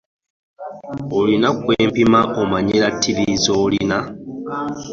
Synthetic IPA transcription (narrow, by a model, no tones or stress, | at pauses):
olinakweːmpimaʔomaɲeɾatʰːiβizoːlina